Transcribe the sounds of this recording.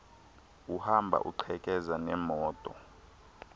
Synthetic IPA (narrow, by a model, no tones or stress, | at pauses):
uhambʱa̰ʔṵǃʰɛkʼɛzanɛmɔːtʼɔ̰